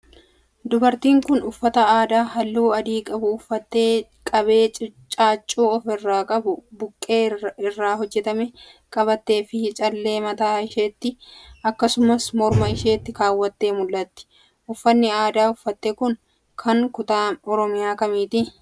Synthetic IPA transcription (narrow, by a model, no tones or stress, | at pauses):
d̪ʊbɐɾt̪iːŋkʊnʊfːɐt̪ɐaːd̪aːɦɐlːuːɐd̪iːkʼɐbʊʊfːɐt̪ːeː | kʼɐbe̞ːt͡ʃʼɪt͡ʃʼaːt͡ʃʼːuːɔfɪrːaːkʼɐbʊbʊkʼːe̞ːɪrːaːɦɔd͡ʒːɛt̪ɐmɛ | kʼɐβɐt̪ːe̞ːfɪt͡ʃʼɐlːe̞ːmɐt̪aːɪʃeːt̪ːɪʔɐkːɐsʊmɐsmɔɾmɐɪʃeːt̪ːɪkaːwːɐt̪ːe̞ːmʊlːɐt̪ːɪ̥ | ʔʊfːɐnːɪaːd̪aːʊfːɐt̪ːekʊŋ | kʰɐŋkʊt̪aːɔɾɔmɪjaːkɐmiːt̪ɪ